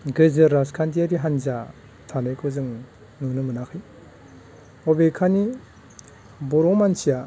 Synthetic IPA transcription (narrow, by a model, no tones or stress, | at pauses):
ɡɯzɯɾaskʰantiaɾiɦanza | tʰanɯjkʰɔzɯŋ | nɯnɯmɯnakʰɯj | ɔbekʰani | bɔɾɔmansija